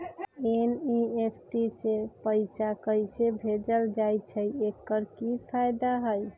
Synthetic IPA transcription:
eniepʰʈisepəɪsakəsebʱed͡ʒəld͡ʒajt͡ʃʰəjekːəɾkipʰajd̪aɦəj

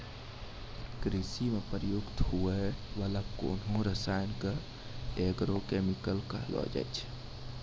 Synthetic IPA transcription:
kɾisimepəɾjʊɡt̪ɦueʋaːlako̰ːnɦõɾəsaːɪnkə | eɡɾokemikəlkə̰ɦlɔ̰d͡ʒa̰ɪt͡ʃʰ

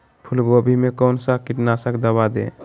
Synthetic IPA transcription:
pʰulɡobʱimekɔwnsakiʈnasəkd̪əbad̪ḛ

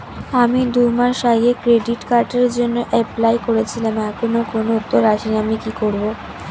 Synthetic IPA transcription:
amid̪umaʃajekɾeɖiʈkaɾʈeɾd͡ʑonːoʔɛplajkoɾet͡ɕʰilamɛkʰonokonout̪ːoɾaʃinamikikoɾbo

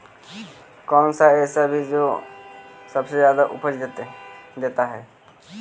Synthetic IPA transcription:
kɔːnsaeːsabʱid͡ʒo | səbsed͡ʒjaːd̪aʔʊ̰pəd͡ʒd̪et̪d̪eːt̪aɦɛː

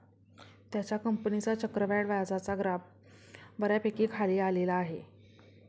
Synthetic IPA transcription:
t̪jat͡ɕjakəmpənit͡sat͡ɕəkɾəʋaɽʋajd͡zat͡saɡɾab̚ | ʋəɾjapekiːkʰaliːalelaːɦe

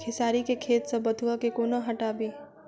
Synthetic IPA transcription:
kʰɪsaːɾikekʰeːt̪səbəd̪ʱuakekoːnaɦɐʈaːbiː

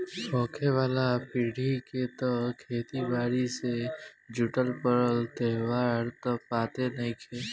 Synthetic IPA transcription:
pʰɔ̃ːkʰeʋaːlapiːɽʱiket̪ɔkʰeːt̪ibaːɾised͡ʒʊʈəlpəɾəlt̪eɦwaːɾt̪ɔpːaːt̪enɐɦĩkʰeː

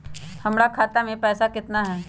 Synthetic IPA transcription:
hɐmɾakʰaːt̪amẽpɛːsakɪt̪naɦɛː

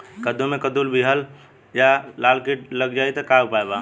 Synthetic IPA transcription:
kəd̪omẽkəd̪ulbiɦəl | jalalkiʈləɡd͡ʒait̪ɔkabpaeba

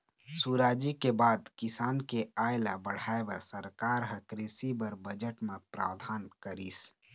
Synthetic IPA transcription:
suɾaːd͡ʒikebaːd̪kɪsaːnkeajlabəɽ̤aebəɾsəɾkaːɾɦəkɾesibəɾbəd͡ʒəʈmepɾa̰ːwd̪ʱaːnkəɾis

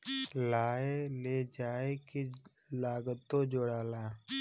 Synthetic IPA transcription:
laːeleːd͡ʒaːeke | laːɡət̪ːoːd͡ʒoːɽaːlaː

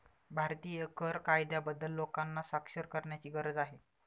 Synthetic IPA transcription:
bʱaɾt̪iːekʰəɾkajd̪jabəd̪ːəlːokanːasakʂəɾkəɾɳjat͡ɕiːɡəɾəd͡zaɦe

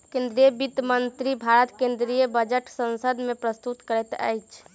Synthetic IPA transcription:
kẽnd̪ɾijəbid̪mənt̪ɾibʱaɾət̪kẽnd̪ɾijəbəd͡ʒəʈsə̃nsəd̪mẽpɾəst̪ut̪kəɾɛt̪a̰jt͡ʃʰ

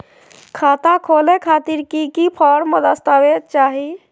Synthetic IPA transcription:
kʰat̪akʰolekʰat̪iɾkikipʰɔɾməd̪əst̪aʋett͡ʃaɦi

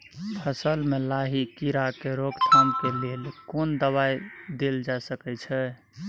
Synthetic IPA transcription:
pʰəsəlmelaɦikiɾakeɾoɡt̪ʰamkelelkond̪əβajd̪eld͡ʒasəkɛt͡ʃʰɛ

